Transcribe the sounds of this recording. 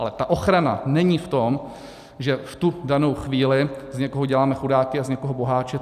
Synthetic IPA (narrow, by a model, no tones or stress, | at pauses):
alɛt̪aʔo̞xɾana̰nɛɲiːft̪o̞m | ʒɛft̪udano̞wxviːlɪzɲɛkoɦoɟɛlaːmɛxudaːkɪazɲɛkoɦobo̞ɦaːt͡ʃɛ